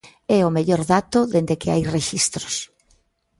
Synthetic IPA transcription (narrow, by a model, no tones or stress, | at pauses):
ɛʊmeʎoɾðat̪ʊðend̪ekɪa̰jreʃist̪ɾʊs